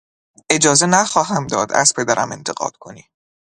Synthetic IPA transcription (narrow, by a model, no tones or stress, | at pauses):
ʔe̞d͡ʒɒːzenæxɒːɦæmd̪ɒːd̪æ̰z̥pʰed̪æɾæ̰me̞̰nt̪ʰeɡɢɒ̰ːd̪̥kʰo̞niː